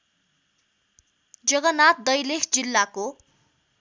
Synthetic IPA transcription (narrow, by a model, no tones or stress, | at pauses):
d͡zʌɡʌnat̪̚d̪ʌjlekʰd͡zilːako